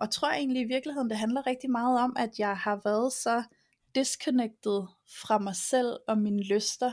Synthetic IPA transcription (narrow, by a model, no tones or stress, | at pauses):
ɒt͡sʰʁo̝ɐ̰e̝̰ːnliiʋiɐɡ̥lihe̝ð̞̰ˠn̩d̥e̝ɦænlɐʁɛɡ̥̚d̥imɑ̈ːð̞̩ˠɒ̽mæd̥jɑ̈ɪhɑ̈ʋæːɐð̞̩ˠsɒ̽ | d̥eskʰoneɡ̥̚d̥ð̩ˠ | fʁɑ̈mɑ̈ɪsel̰ɒ̽minəløsd̥ɐ